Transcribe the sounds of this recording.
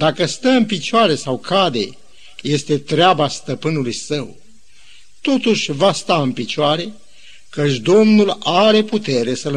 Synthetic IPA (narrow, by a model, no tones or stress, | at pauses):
d̪akəst̪əɨnpit͡ʃoaɾe̞sawkʰad̪e̞̰ | je̞st̪e̞t̪ɾeabast̪əpɨnulujsəw | t̪o̞t̪uʃʲvast̪aɨnpit͡ʃoaɾe̞ | kət͡ʃʲd̪o̞mnulaɾe̞put̪e̞ɾe̞səl